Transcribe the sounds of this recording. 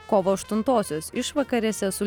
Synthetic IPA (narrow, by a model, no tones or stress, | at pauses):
koːʋoːɐʃt̪ʊnt̪oːsʲoːsɪʃʋɐkɐɾʲeːsʲɛsʊlʲ